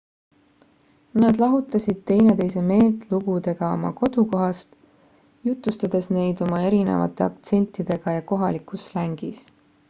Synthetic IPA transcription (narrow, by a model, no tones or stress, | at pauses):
nɑd̪lɑɦut̪ːˑɑsʲid̪̥̚t̪e̞jne̞t̪e̞jse̞me̞ːt̪luɡ̥ud̪e̞ɡ̥ɑo̞̰mɑ̰ko̞d̪̥uko̞ɦɑst̪ | jut̪lust̪ɑd̪̥e̞sne̞jd̪o̞mɑe̞ɾine̞̰vɑ̰t̪ːˑe̞ɑ̰kt̪se̞nʲt̪ˑːid̪̥e̞ɡ̥ɑjɑko̞ɦɑlikuslæŋɡ̥is